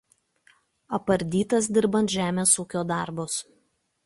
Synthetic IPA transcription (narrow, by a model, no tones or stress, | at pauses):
ɐpɐɾʲd̪ʲiːt̪ɐsd̪ʲɪɾbɐnt̪ʒʲæːmʲeːsuːkʲoːd̪ɑˑɾbos